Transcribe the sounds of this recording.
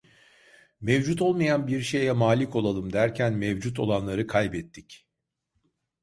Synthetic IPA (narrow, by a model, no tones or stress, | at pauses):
mɛvd͡ʒut̪ʰo̞lˠmajanbiɾʃejɛmaːlʲiko̞lˠalˠɯmd̪æɾcʰænmɛvd͡ʒut̪ʰo̞̰lˠanlˠaɾɯkʰajbɛt̪ʰːic